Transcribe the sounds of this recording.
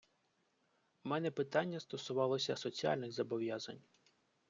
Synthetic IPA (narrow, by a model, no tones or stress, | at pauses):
mɛnɛpɪt̪ɑnʲːɐst̪ɔsʊʋɑlˠɔsʲɐsɔt͡sʲiɑ̰lʲnɪɣzɐbɔʋjazɐnʲ